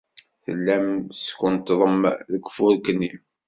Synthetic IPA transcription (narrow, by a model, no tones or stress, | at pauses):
θə̰lːæmskənt̪ðˤəmðəkːfʊɾkənːim